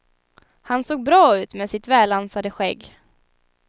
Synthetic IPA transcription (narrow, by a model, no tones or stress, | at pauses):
hansoːɡ̚bɾɑːʉ̟ːt̪meːsɪt̪vɛːlːansad̪əɧɛɡː